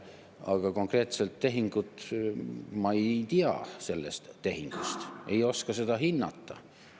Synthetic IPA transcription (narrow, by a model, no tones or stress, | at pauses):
ɑɡ̥ɑko̞ŋkre̞ːt̪se̞lt̪ːe̞ɦiŋɡ̥ut̪ | mɑejt̪iɑ̰se̞lːest̪ːe̞ɦiŋɡ̥ust̪e̞jo̞skɑse̞d̪̥ɑɦinːɑt̪ːɑ